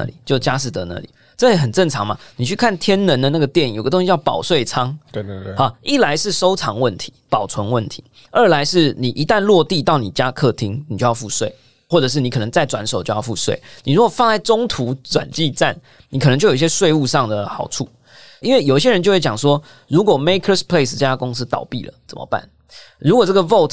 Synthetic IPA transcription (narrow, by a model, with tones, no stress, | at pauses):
a̰˥˧˩lḭ˨˩t͡ɕjo˥˩ʊt͡ɕja˦ʂ̬̩˥˩t̪ə˧˦na̰˥˩li˨˩ | ʈ͡ʂɤ˥˩jɛ˧˥xə˨˩nt͡sə˥˩ŋt͡sʰɑ˧˦ŋma̰˧ni˨˩t͡ɕʰy˥˧kʰa˥˩nt̪ʰjɛ˥nnə˧˦nd̪ə˧˦na˥˩ɡə˨t̪jɛ˥˩njo˨˩ɡə˧t̪o˥ŋɕi˥t͡ɕɑ˥˩ʊpɑ˨˩ʊswe˥˩ɪt͡sʰɑ˥ŋa˨˦i˥˩la˧˦ɪʂɻ̩˥˩so˥ʊt͡sʰɑ˧˦ŋwə˥˩nt̪ʰi̥˧˦pɑ˨˩ʊt͡sʰwə˧˦nwə˥˨˩nt̪ʰi̥˨˧˦ | ə˞˥˧˩la˧˦ɪʂɻ̩˥˩ni˨˩ʔi˧˥t̪a˥˧nlwɔ˥˧t̪i˥˧t̪ɑ˥˩ʊni˨˩t͡ɕja˦kʰɤ˥˨t̪ʰi˦ŋni˨˩t͡ɕo˥˧jɑ˥˧fu˥˧swe˥˩ɪ | xwɔ˥˩ʈ͡ʂɤ˨˩ʂ̬ɻ̩˥˩ni˨k̪ʰə˧˦ŋt͡sa˥˩ɪʈ͡ʂwa˧˥nso˨˩ʊt͡ɕjo˥˧ʊjɑ˥˧ʊfu˥˧swḛ˥˩ɪni˨˩ɻu˦˥kwo˨˩fɑ˥˧ŋla˥˩ɪt͡sʊ˥ŋt̪ʰu˧˥˦t͡swa̰˨˩nt͡ɕi˥˧t͡sa̰˥˩n | ni˨kʰə˨nə˧ŋt͡ɕo˥˩ji˧ɕjɛ˥swe˥˧ɪu˥˧ʂɑ˥˩ŋd̪ə˩xɑ˨˩ʊʈ͡ʂʰu˥˩ | i˥nwe˥˩ɪjo˨˩i˦ɕjɛ˥ɻə˧˦t͡ɕo˥˧xwe˥˩jɑ˨˩ŋʂwɔ˦˥ | ɻu˧˥kwɔ˨˩me˥ɪkʰə˥˧spʰle˥ɪs̬t͡sɤ˥˧˩t͡ɕja˥kʊ˥ŋs̩˥t̪ɑ̰˨˩ʊpḭ˥˩lə̰˩t͡sə̰˨˩mə̰˦pa̰˥˩n | ɻu˧˥kwɔ˨˩t͡sə˥˩ɡə˨˩vo˥˩ʊt̪